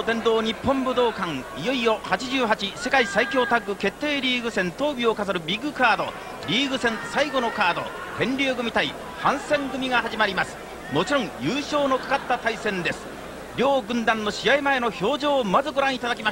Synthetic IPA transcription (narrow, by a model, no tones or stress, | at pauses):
t̪ẽ̞nd̪o̞ːɲ̟ipːõ̞mbɯ̟d̪o̞ːkãŋijo̞io̞hat͡ɕiʑɨːɦat͡ɕise̞kaisaikʲo̞ːt̪aɡɯ̟ke̞t̪ːe̞ːɾʲiːɡɯ̟sẽ̞nt̪o̞ːbʲio̞kazaɾɯ̟bʲiɡɯ̟kaːd̪o̞ | ɾʲiːɡɯ̟sẽ̞ɰ̃saiɡo̞no̞kaːd̪o̞̰ | t̪ẽ̞nɾʲɨːɡɯ̟mʲit̪ai | hãɰ̃sẽ̞ŋɡɯ̟mʲiɡaɦaʑimaɾʲimasɨ̥ | mo̞t͡ɕiɾõ̞ŋ̃jɯːɕo̞ːno̞kḁkat̪ːat̪aisẽ̞nd̪e̞sɨ̥ | ɾʲo̞ːɡɯ̟̃nd̪ãnːo̞ɕiaimae̞no̞ço̞ːʑo̞ːmazɨɡo̞ɾãit̪ad̪akʲimaɕ